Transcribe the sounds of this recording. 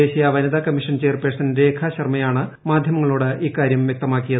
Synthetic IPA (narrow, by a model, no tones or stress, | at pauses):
eːɕijɐʋɐnɐd̪aːkɐmːiʂɐnt͡ɕe̞ːrpeːsɐnɾeːkʰaɕɐrmɐjaːɳɨ | maːd̪ʱjɐmɐŋːɐɭoːɽɨʔiːkːaːɾjɐmjɐk̚t̪ɐmaːkːijɐðɨ